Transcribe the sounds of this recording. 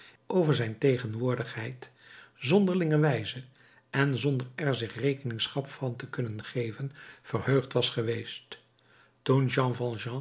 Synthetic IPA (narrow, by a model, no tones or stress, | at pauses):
ʔowvəɹzɛjntejχənʋʊːɹdəχɦɛjtzɔndəɹlɪŋəʋɛjzə | ʔɛnzɔndəɹɛɹzɪχrejkənɪŋsχɑpfɑntəkɵnənχejvənv̥ərɦøɥχtʋɑsχəʋejst | tunʒɑ̃ːvɑ̃lˠʒɑ̃